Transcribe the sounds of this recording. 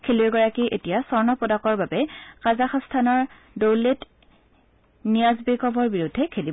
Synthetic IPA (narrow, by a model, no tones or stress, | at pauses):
kʰelioɡɔɹakiʔetijasɔɹnɔpɔdakɔɹbabɛkazaxɔstʰanɔɹ | dowlet | nijazbekɔbɔɹbiɹudʱːɛkʰelibɔ